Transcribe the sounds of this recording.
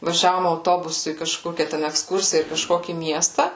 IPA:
ʋɐˈʒʲæːʋoːm ɐʊˈtoːbʊsʊ iː kɐˈʃkoːkʲæː tʲɛn ɛkˈskʊrʲsʲɪjæː ɪr kɐˈʃkoːkʲiː ˈmʲiɛstɑː

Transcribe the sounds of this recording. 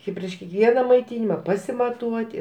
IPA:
ɪ pʲrʲiɛʃ kʲiɛkˈʋʲiɛnɐ mɐɪˈtʲɪnʲɪmɐ pɐsʲɪmɐˈtuɔtʲɪ

